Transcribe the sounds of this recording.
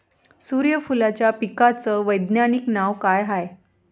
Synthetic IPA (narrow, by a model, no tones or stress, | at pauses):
suɾjəfulat͡ɕjapikat͡səʋəjd̪njaniknaʋkajɦaj